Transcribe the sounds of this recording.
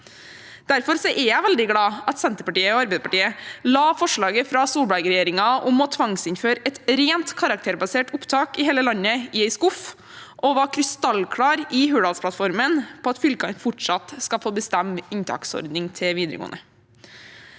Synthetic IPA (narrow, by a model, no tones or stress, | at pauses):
d̪̥æɾfɔɾsɔʔɛjæɪʋɛld̪ɪɡɽɑːɑt̪sɛnt̪əpɑʈiːəoːɑɾbɛɪd̪pʰɑʈiːəlɑːfɔʂɭɑːɡəfɾɑsuːbɑɪɡəɾɛjeːɾɪŋɑʊmɔt̪ʰʋɑŋsɪnføːɾɛt̪ɾeːnt̪kʰɑɾɑk̚t̪ʰeːɾbɑseːʈʊpt̪ʰɑːkɪɦeːləlɑɲːəɪɛɪskʊf | ʔɔʋɑkʰɾɪst̪ɑlkʰɽɑːɾɪɦʉːɽɑːlspʰlɑt̪fɔɾmənpʰoːɑt̪fʏlkɑnfʊʈʂɑt̪skɑfoːbəst̪ɛmːɪɲt̪ʰɑ̰ːksɔ̰ɾd̪nɪŋt̪ʰɪʋiːd̪ɾəɡo̰ːnə